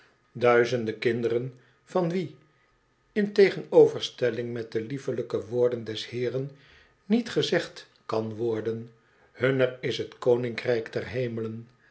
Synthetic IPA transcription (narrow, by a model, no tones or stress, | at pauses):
dœɥzəndəkɪndərən | v̥ɑnʋi | ɪntejχənowvəɹstɛlɪŋmɛt̚dəlivələkəʋʊːɹdəndɛshɪːrənː | itχəzɛχt | kɑnʋɔɹdən | hɵnərɪsɦətkownɪŋkrɛjkdɛrɦejmələn